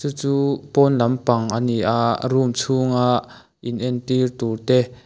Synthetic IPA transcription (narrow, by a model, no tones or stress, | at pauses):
t͡sut͡suːpɔnlɐmpaŋʔaniʔaʔrumt͡sʰuŋaʔ | ʔinʔɛnt̪irt̪urt̪ɛ